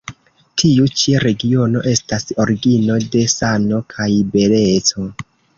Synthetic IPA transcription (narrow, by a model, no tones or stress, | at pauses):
tʰiut͡ʃiɾe̞ɡio̞no̞ʔe̞staso̞ɾiɡino̞de̞sano̞kʰajbe̞let͡so̞